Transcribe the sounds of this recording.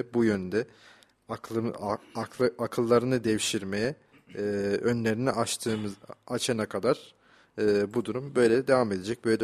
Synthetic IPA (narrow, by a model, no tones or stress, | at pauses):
bujønd̪ɛ | ak | akʰɯlˠːaɾɯnɯd̪ɛvʃiɾmejɛ | ønlʲe̞ɾiniʔat̪ʰɯmat͡ʃʰanakʰad̪aɾ̥ | ɯːbud̪uɾumbø̞jlʲɛd̪e̞vame̞d̪e̞d͡ʒɛc̚bøjlʲɛ